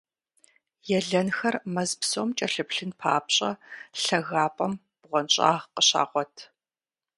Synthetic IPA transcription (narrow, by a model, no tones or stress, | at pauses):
jɛɮɐnxɐrmɐzpsoːmt͡ʃʼɐɬɨpɬɨnpʰa̰ːpɕʼɐɬɐɣaːpʼɐm | b̥ʁʷɔnɕʼa̰ːʁqəɕa̰ːʁʷɔtʰ